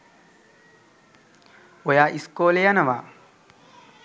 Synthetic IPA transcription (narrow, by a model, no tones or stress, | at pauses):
ɔjaːʔiskoːlejɐnɐʋaː